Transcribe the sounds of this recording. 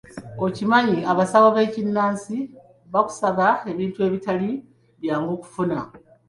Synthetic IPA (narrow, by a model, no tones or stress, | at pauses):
o̞cimaɲiaβasaβoβe̞ːcinːaːnsi | βaku̥saβae̞βiːntue̞ːβitali | βjaːŋɡoːku̥funa̰